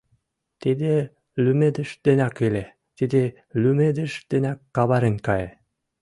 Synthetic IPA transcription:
t̪id̪e | lymed̪ɘ̆ʃd̪̥ĕnʲɑkilʲe | t̪id̪e | lymed̪ɘ̆ʃd̪̥ĕnʲækːɑβɑɾenʲkɑje

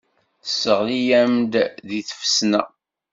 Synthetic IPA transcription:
θəsːəʁlijæmd̪ðiθə̥fəsnæ̰

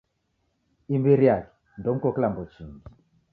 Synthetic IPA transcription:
imbiɾijakɛ̥ | ndɔm̩kɔklambɔt͡ʃiŋɡi

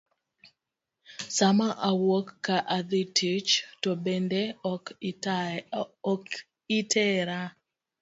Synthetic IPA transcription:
samaʔawokːaʔad̪itʰit͡ʃtobendek | k | itʰɛɾa

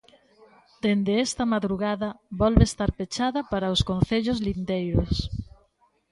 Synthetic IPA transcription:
d̪̥end̪eest̪ɐmaðɾuɣaðɐβɔlβest̪aɾpet͡ʃaðɐpaɾɐoskon̟θeʎʊzlind̪ejɾos

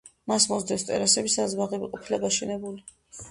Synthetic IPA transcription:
masmɔzd̪ɛst̪ʼɛ̰ɾasɛbisazbaʁɛbiqʼɔpʰilɛbaʃɛnɛbuli

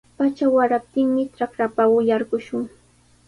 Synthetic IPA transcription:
pat͡ʃawaɾap̚t̪ɪŋmɪʈ͡ʂakɾapawʊjaɾɢʊʃʊŋ

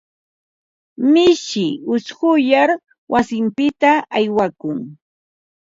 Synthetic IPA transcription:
mɪʃɪʊsɢʊjaɾ | wʔasɪmpɪt̪aajwakʊŋ

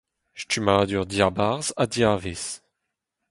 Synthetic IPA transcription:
ʃtymaːd̪yʁd̪jaʁbaʁzadjaːves

